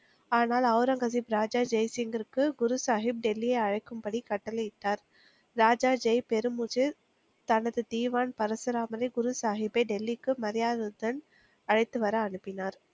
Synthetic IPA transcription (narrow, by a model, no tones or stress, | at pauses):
aːnaːlɐʊɾɐŋɡɐs̬ibɾaːd͡ʒaːd͡ʒɛjsɪŋɡɪɾɯkːɯɡʊɾusaːɦɪb̚ɖɛlːijɐɪɐɻɐɪkːɯmpɐɽikɐʈːɐlɐjɪʈːaːɾ | ɾaːd͡ʒaːd͡ʒɐjpɛɾɯmuːt͡ʃɯ | t̪ɐnɐðɯd̪iːʋaːnpɐɾɐsɯɾaːmɐɾɐɪɡʊɾusaːɦɪbɐɪɖɛlːikːɯmɐɾɪjaːðɯd̪ɐn | ɐɻɐɪt̪ːɯʋɐɾɐːnɯpːɪnaːɾ